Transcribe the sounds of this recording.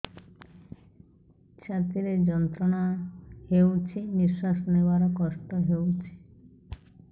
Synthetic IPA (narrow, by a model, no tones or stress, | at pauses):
t͡ɕʰat̪iɾed͡ʑɔnt̪ɾonahewt͡ɕʰimiʃːaʃnewaɾkɔst̪oɦewt͡ɕʰi̥